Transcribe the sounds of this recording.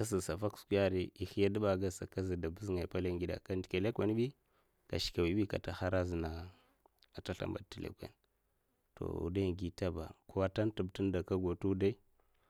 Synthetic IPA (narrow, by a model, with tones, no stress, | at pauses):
ka˦si˨sa˨fa˦ksku˦ja˦ɾi˦˨i˨xi˦ja˦da˦ɓa˨ɡa˦sa̰˨ka˦zi˨da˨bu˦zŋa˨pa˦le˦ŋɡi˦da̰˨ka˦ndi˨ke˨le˦kʷe˨˦n˦ɓi˦ | ka̰˨ʃi̥˨ka˨wi˨ɓi˦ka̰˨ta˨xa˦ɾa˦zi˨na˨ | a˨ta˦ɬa̰˨mba˨ti˨lḛ˦kʷḛ˨n | to̰˨ṵ˨da˦˨ŋɡi˦ta˦ba̰˨ku˦wa˦ta˦ntu˨btu˦nda˨ka˦ɡo˨tu˦u˦da˦i˦